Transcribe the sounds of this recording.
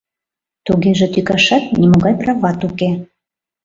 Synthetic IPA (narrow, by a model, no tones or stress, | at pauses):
t̪uɣeʒĕt̪ykɑʃɑt̪̚nimoɣɑjprɑvɑt̪uke